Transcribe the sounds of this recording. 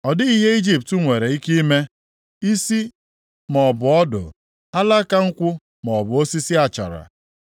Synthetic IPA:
ɔ˨dɪ˦i˦ɦe˦i˦d͡ʒi˨ptu˦ŋʷe˨ɾe˨i˦ki˦me˦ | i˦si˦ | mɔ˨bʊ˨ɔ˦dʊ̰˨ | a˦la˦ka˦ŋ̩˦kʷʊ˦ | mɔ˨bʊ˨o˦si˦si˦a˨t͡ʃa̰˨ɾa̰˨

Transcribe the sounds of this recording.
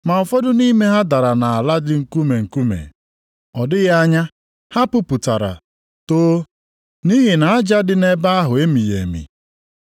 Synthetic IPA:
ma˨fɔ˦dʊ˦ni˦me˦ɦa˦da˨ɾa˨na˨a˨la˦dɪ˦ŋ̩˨ku˦me˨ŋ̩˨ku˦mḛ˨ | ɔ˨dɪ˦ɣa˦ɲa˦ | ha˦pʊ˦pʊ˨ta˨ɾa̰˨ | toː˦ | ni˦ɦi˨na˨a˦d͡ʒa˦dɪ˦ne˦ba˦a˦ɦʊ˨e˦mi˨jḛ˨mḭ˨

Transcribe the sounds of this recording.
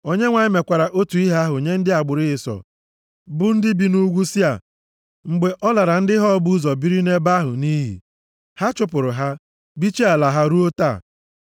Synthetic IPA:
o˦ɲe˦ŋʷa˨ɪ˦me˨kʷa˨ɾa˨ʔo˦tu˨i˦ɦa˦ɦʊ˨ɲe˦n̩˦dɪ˦a˨ɡ͡bʊ˨ɾɪ˦ɦɪ˨sɔ̰˨ | bʊ˦n̩˦dɪ˦bi˨nu˦ɡʷu˦si˦a̰˨ | ŋ͡m̩˨ɡ͡be˨ʔɔ˦la˨ɾa˨n̩˦dɪ˦ɦɔ˦bu˦zɔ˨bi˦ɾi˦ne˦ba˦ɦʊ̰˨ni˦ɦḭ˨ | ha˦t͡ʃʊ˦pʊ˨ɾʊ˨ɦa˦ | bi˦t͡ʃe˦a˨la˨ɦa˦ɾu˦o˦ta̰˦˨

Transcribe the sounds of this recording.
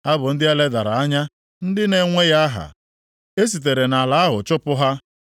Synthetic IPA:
a˦bʊ˨n̩˦dɪ˦a˦le˦da˨ɾa˨a˦ɲa˦ | n̩˦dɪ˦ne˨ŋʷe˦ja˦ɦa̰˨ | e˦s̬i˨t̬e˨ɾe˨na˨la˨a˦ɦʊ̰˨t͡ʃʊ˦pʊ˦ɦa˦

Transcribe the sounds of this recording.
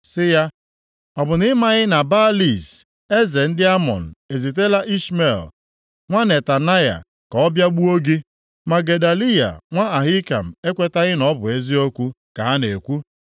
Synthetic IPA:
sɪ˦ja˦ | ɔ˨bʊ˨nɪ˦ma˨ɣɪ˦na˨ba˦li˦˨s | e˦ze˨n̩˦dɪ˦a˦mɔ̰˨n̩˨e˨zi˨t̬e˦la˦ʔi˦ʃme˨l | ŋʷa˦ne˨ta˨na˦ja̰˨ | ka˨ɔ˦bja˦ɡ͡bu˦o˦ɡi˦ | ma˨ɡe˨da˨li˦ja̰˨ŋʷa˦a˨ɦɪ˦ka̰˨m̩˨e˦kʷe˦ta˦ɣɪ˦nɔ˦bʊ˨e˦zi˦o˦kʷu˦ | ka˨ɦa˦ne˨kʷu˦

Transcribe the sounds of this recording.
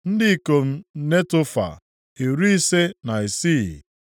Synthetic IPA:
n̩˦dɪ˦i˨ko˨m̩˦ne˦tʊ˦fa̰˨ | e˨ɾu˦i˦se˦na˨i˨si˦˨

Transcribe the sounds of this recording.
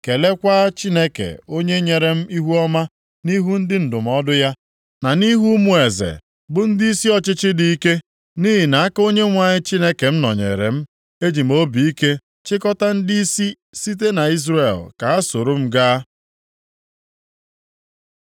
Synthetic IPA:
ke˨le˦kʷa˦t͡ʃi˦ne˦kḛ˨o˦ɲe˦ɲe˨ɾe˨m̩˦ʔi˦ɦu˦ɔ˦ma˦ | ni˦ɦu˦n̩˦dɪ˦n̩˨dʊ˨m̩˦ɔ˦dʊ˦ja˦ | na˨ni˦ɦu˦mu˨e˨zḛ˨ | bʊ˦n̩˦di˦i˦si˦ɔ˨t͡ʃɪ˦t͡ʃɪ˦di˨i˦ke˦ | ni˦ɦi˨na˨a˦ko˦ɲe˦ŋʷa˨ɲɪ˦t͡ʃi˦ne˦ke˨m̩˦nɔ˨ɲḛ˨ɾḛ˨m̩˦ | e˦d͡ʒi˨m̩˦o˦bi˨i˦ke˦ | t͡ʃɪ˦kɔ˦ta˦n̩˦di˦i˦si˦ | si˦t̬e˦na˨i˦zre˨lka˨a˦so˨ɾo˦m̩˦ɡaː˦

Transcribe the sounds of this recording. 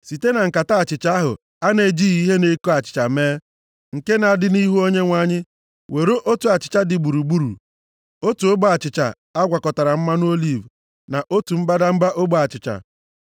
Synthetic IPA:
si˨te˦na˨ŋ̩˨ka˨ta˦a˨t͡ʃɪ˨t͡ʃa˦a˦ɦʊ̰˨ | a˦ne˨d͡ʒi˦i˦ɦe˦ne˦ko˦a˨t͡ʃɪ̥˨t͡ʃa˨meː˦ | ŋ̩˨ke˦na˨a˨dɪ˦ni˦ɦu˦o˦ɲe˦ŋʷa˦ɲɪ˦ | wʔe˨ɾo˦ʔo˦tu˨a˨t͡ʃɪ̥˨t͡ʃa˦dɪ˨ɡ͡bu˨ɾu˨ɡ͡bu˦ɾṵ˨ | o˦tu˨o˦ba˨t͡ʃɪ˨t͡ʃa̰˨ | a˦ɡʷa˨kɔ˨ta˨ɾa˨m̩˦ma˦n˦o˦li˦˨v | na˨ʔo˦tu˨m̩˦ba˦da˦m̩˦ba˦ʔo˦bo˦a˨t͡ʃɪ˨t͡ʃa̰˨

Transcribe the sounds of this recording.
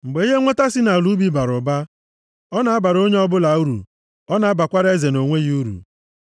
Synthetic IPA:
ŋ͡m̩˨ɡ͡be˨˦i˦ɦe˦ŋʷe˦ta˦sɪ˦na˨lu˦bi˦ba˨ɾʊ˨ba˦ | ɔ˦na˨a˦ba˨ɾo˦ɲe˦ɔ˦bʊ˦la˨u˦ɾṵ˨ | ɔ˦na˨a˦ba˨kʷa˦ɾe˦ze˨no˨ŋʷe˦ji˦u˦ɾṵ˨

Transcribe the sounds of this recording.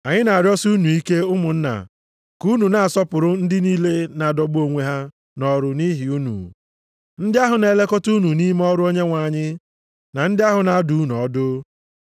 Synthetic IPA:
a˨ɲɪ˦na˨a˨ɾjɔ˦snu˨i˦ke˦ʊ˦mʊ˨n̩˦na̰˨ | ku˦nu˨na˨a˨sɔ˦pʊ˨ɾʊ˦n̩˦dɪ˦niː˦le˦na˨dɔ˨ɡ͡bo˦˨ŋʷe˦ɦa˦ | nɔ˦ɾʊ˦ni˦ɦi˨u˦nṵ˨ | n̩˦dɪ˦a˦ɦʊ˨ne˨le˦kɔ˦tu˦nu˨ni˦m˦ɔ˦ɾʊ˦o˦ɲe˦ŋʷa˨ɲɪ˦ | na˨n̩˦dɪ˦a˦ɦʊ˨na˨˦du˨˦nu˨ɔ˦dʊ˦

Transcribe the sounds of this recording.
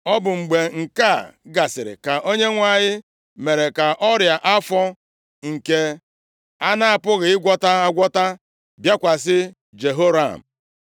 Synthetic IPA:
ɔ˦bʊ˨ŋ͡m̩˨ɡ͡be˨ŋ̩˨ka˦˨ɡa˨sɪ˨ɾɪ̰˨ka˨ʔo˦ɲe˦ŋʷa˦˨ɲɪ˦ | me˨ɾe˨ka˨ʔɔ˦ɾja˨ʔa˦fɔ˦ | ŋ̩˨ke˦ | a˦na˦a˨pʊ˦ɣɪ˨ɪ˦ɡʷɔ˦ta˦a˦ɡʷɔ˦ta˦ | bja˦kʷa˨s̬ɪ˦ | d͡ʒe˨ɦo˦ɾa̰˨m̩˨

